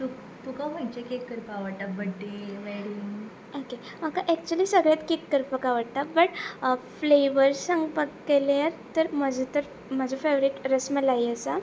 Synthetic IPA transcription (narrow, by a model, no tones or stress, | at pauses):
t̪uk | t̪ukamait͡ɕekekːəɾpaʋəɽt̪abəɽʈeʋeɽiŋ | oke | makaʔɛk̚t͡ɕuəliːsəɡɭjat̪kekːəɾpəkaʋəɽt̪abəʈfleʋəɾsə̃ŋɡpəkkːeleaɾt̪əɾməd͡ʑʱət̪əɾ | məd͡zʱəfeʋɾiʈɾəsməlajəsa